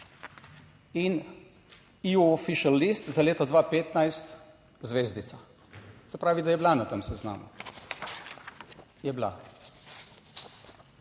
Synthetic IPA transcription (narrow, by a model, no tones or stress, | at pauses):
in | iuɔfiʃalːist̪zaleːt̪ɔd̪ʋapeːt̪najst̪ | zʋeːzd̪it̪sa | sɛpɾaːʋid̪ajɛblanat̪əmsɛzna̰ːmṵ | jɛbla̰